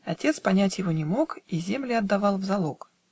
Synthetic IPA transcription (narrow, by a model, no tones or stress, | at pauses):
ɐtʲe̞t̪spɐnʲætʲjɪvo̞nʲɪmo̞kizʲemlʲɪɐd̪ːɐvɑlˠvzɐlˠo̞k